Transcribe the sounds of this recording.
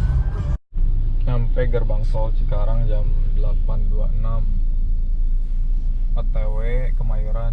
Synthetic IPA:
nampɛɡərbaŋsɔlsə̥kaɾaŋd͡ʒamdəlapanduaənam | at̪ewe | kəmajuɾan

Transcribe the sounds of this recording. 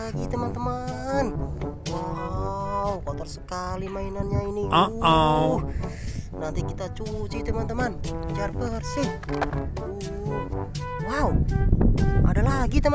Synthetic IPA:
ɡit̪əmant̪əmanwa | ukɔt̪ərsəkalimainanɲaini | nant̪ikit̪at͡ʃut͡ʃit̪əmant̪əmant͡ʃarbərsɪh | u | wau | a̰dalaɡit̪əma

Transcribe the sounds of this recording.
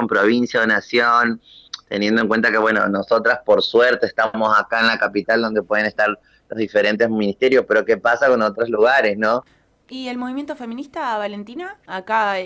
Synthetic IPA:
ompɾo̞β̞insjaðonasjon | t̪e̞̰nje̞nd̪oeŋkwe̞nt̪ake̞βwe̞no̰no̞so̞t̪ɾaspo̞ɾsweɾt̪e̞ːst̪amo̞sakaenlakapit̪ald̪o̞nd̪e̞pwe̞ð̞enest̪aɾ | lo̞zðife̞ɾe̞nt̪e̞zmĩnist̪e̞ɾjo̞spe̞ɾo̞ke̞pasako̞not̪ɾozluɣaɾe̞snõ̞ | ielmoβimje̞nt̪ofemĩnist̪aβalent̪inaːka

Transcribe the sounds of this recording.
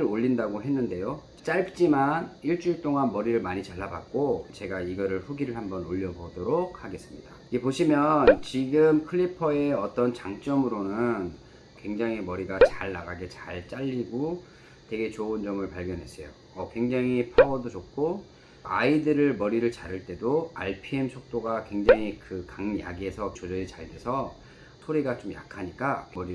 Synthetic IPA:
ɯɾoʎːindaɡoɦe̞nːɯnde̞jo | t͡ɕ͈aɭkt͡ɕ͈imaniɭt͡ɕ͈uiɭt͈oŋanmʌɾiɾɯɭmaɲit͡ɕaɭːaba̰k̚k͈ot͡ɕe̞ɡaiɡʌɾɯɭɸuɡiɾɯɭhambʌnoʎːʌbodoɾok̚haɡe̞s͈ɯmɲidaiɡepoɕʰimjʌnt͡ɕiɡɯmkʰɯʎːipʰʌeʌt͈ʌnt͡ɕaŋt͡ɕ͈ʌmɯɾonɯn | kwe̞ŋd͡ʑaŋimʌɾiɡat͡ɕaɭnaɡaɡe̞t͡ɕaɭt͡ɕ͈aʎːiɡo | te̞ɡe̞t͡ɕoɯnd͡ʑʌmɯɭpaɭɡjʌnɦe̞s͈ʌjo | ʌkwe̞ŋd͡ʑaŋipʰaɡʌdot͡ɕok̚k͈ʰo | a̰idɯɾɯɭmʌɾiɾɯɭt͡ɕaɾɯɭt͈e̞doaɭpʰie̞msʰok̚t͈oɡakwe̞ŋd͡ʑaŋikɯkaŋja̰ɡie̞sʰʌt͡ɕod͡ʑʌit͡ɕaɭdwe̞sʰʌ | sʰoɾiɡat͡ɕomja̰kʰaɲik͈akʌɾi

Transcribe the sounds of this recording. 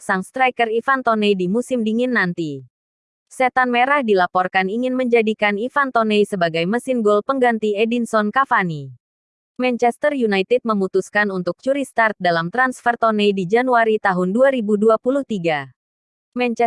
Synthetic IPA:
saŋst̪ɾajkərifant̪ɔnejdimusɪmdiŋɪnːant̪i | sɛt̪anmeɾahdilapɔrkaniŋɪnməɲd͡ʒadikanifant̪ɔnejsəbaɡajməsɪnɡolpəŋɡant̪iedinsɔnkafani | mɛnt͡ʃɛst̪ərjunajt̪ɛd̚məmut̪uskanunt̪ʊk̚t͡ʃuɾist̪art̪̚dalamt̪ɾansfɛrt̪ɔnɛjdid͡ʒanuaɾit̪aɦʊnduaɾibuduapuluht̪iɡa | mɛn

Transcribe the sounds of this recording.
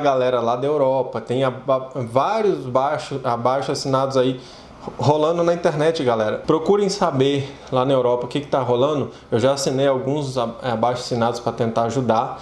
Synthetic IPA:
ɐɡalɛɾɐlad̪ɐewɾɔpɐt̪ẽj̃avaɾjʊzbajʃʊabajʃʊasinad̪ʊzai | ɦolɐ̃nd̪ʊnɐĩnt̪eɾnɛt͡ʃɪɡalɛɾɐpɾokuɾẽj̃sabe | lanɐewɾɔpɐʊkɪkɪ̥t̪aɦolɐ̃nʊ | ewʒaːsĩnejawɡũzzabajʃʊḁsinad̪ʊspɾɐt̪ẽnt̪aɾaʒud̪a

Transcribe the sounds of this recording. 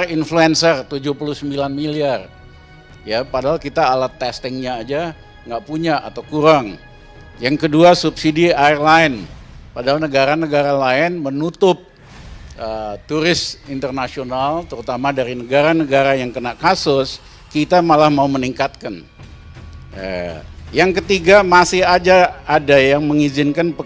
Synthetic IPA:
rinfluɛnsərt̪ud͡ʒʊhpulʊhsəmbilanmiliar | japadaɦalkit̪aːlat̪ːɛst̪ɪŋɲaːd͡ʒa | ŋɡaʔpuɲaʔa̰t̪awkuɾaŋ | jaŋkəduasupsidiarlaɪnpadaɦalnəɡaɾanəɡaɾalaɪnmənut̪ʊp̚ | ət̪uɾɪsint̪ərnasionalt̪əɾut̪amadaɾinəɡaɾanəɡaɾajaŋkənaʔkasʊs | kit̪amalahmauməniŋkat̪̚kan | jaŋkət̪iɡamasɪhad͡ʒaːdajaŋməŋizɪnkanpə

